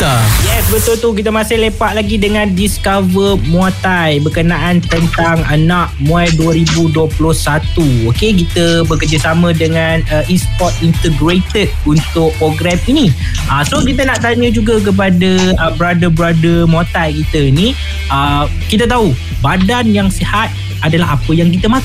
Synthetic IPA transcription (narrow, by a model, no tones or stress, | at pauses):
jɛsbət̪ʊlt̪uk̬it̪̬əmãsɪhlepaʔ̪̚laɡidəŋãndiskavəmwat̪ajbəkənaʔant̪ənt̪aŋənãʔmũajduəɾibuduəpulʊhsat̪uokekit̪əbəkərd͡ʒəsamə̃dəŋanəʔispɔt̪̚int̪əɡɾet̪əd̚unt̪ʊk̚poɡɾɛmini | ʔəsokit̪ənaʔt̪aɲə̃d͡ʒuɡak̬əp̬adaəbəɾadəbɾadəmot̪ajkit̪əini | ə | kit̪̬ət̪au | badanjaŋsihat̪̚ | adalaɦapəjaŋk̬it̪əmat̪